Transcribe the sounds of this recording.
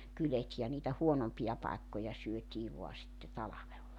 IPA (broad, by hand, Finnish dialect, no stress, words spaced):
kylet jɑˑ niːtæ huonompijɑ pɑekːojɑ syøtʲiː ʋo̝ɑ sitːe tɑlɑʋelːɑ